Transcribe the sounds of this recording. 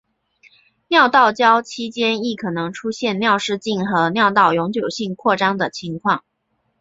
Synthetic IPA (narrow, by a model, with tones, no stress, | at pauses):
njɑ˥˧ʊt̪ɑ˥˩ʊt͡ɕjɑ˥ʊt͡ɕʰi˥t͡ɕjɛ˥ni˥˩kʰɤ˨˩nɤ˧˥ŋʈ͡ʂʰu˥ɕjɛ˥˧nnjɑ˥˧ʊʂɻ̩˥˧t͡ɕi˥˩nxɤ˧˥njɑ˥˧ʊt̪ɑ˥˩ʊjʊ˧˥ŋt͡ɕjo˨˩ʊɕi˥˧ŋkʰwɔ˥˩ʈ͡ʂɑ˥ŋd̪ə˨t͡ɕʰi˧˥ŋkʰwɑ˥˩ŋ